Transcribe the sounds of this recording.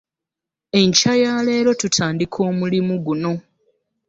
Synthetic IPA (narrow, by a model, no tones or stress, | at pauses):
e̞ɲcajaːle̞ːɾo̞tutʰaːndikʰo̞ːmulimuɡuno̞